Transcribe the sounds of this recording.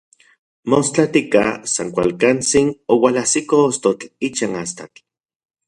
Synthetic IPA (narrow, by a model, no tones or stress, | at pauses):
most͡ɬat̪ika̰saŋkʷa̰lkant͡sinowalasikoost̪ot͡ɬit͡ʃanast̪at͡ɬ